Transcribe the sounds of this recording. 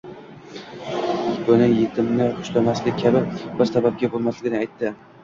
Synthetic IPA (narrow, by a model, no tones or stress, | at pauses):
bʊnɪjet̪ʰɪmnɪʊʃlamaslɪk̚ʲkʲʰːabɪbɪɾsabab̚ɡʲabolˠmaslɪɡʲɪnɪajt̪ʰːɪ